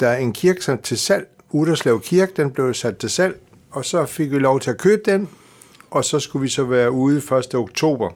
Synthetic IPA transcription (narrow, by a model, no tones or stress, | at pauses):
d̥ɑæɐe̝nkʰiɐɡ̥sænd̥̚t͡sʰe̝sæl̰ | uð̥ˠɐslɛʊkʰiɐɡ̥̚d̥enb̥le̝ʊsæd̥̚t͡sʰe̝sæl̰ | ɒ̽sɒ̽fe̝ɡ̥ʋilɒʊt͡sʰe̝ækʰøːb̥̚d̥em | ʔɒ̽sɒ̽sɡ̥uʋisɒ̽ʋæːɐuːð̩ˠfɶɐsd̥əoɡ̥t͡sʰo̝̰ːb̥ɐ